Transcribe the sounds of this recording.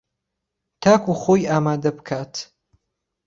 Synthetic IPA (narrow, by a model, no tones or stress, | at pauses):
t̪ʰaːkuχojaːmaːd̪ɐbkʰaːt̪